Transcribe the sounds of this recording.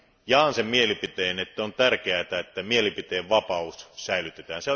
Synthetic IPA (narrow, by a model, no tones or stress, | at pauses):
jɑːnsemmielipit̪eːenet̪ːæont̪ærkeæt̪æet̪ːæmielipit̪eːʋʋɑpɑussæˑilyt̪et̪æːnse